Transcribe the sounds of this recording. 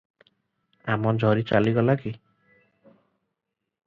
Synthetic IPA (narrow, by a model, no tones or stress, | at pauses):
amɔd͡ʒʱɔɾit͡ʃa̰liɡɔlaki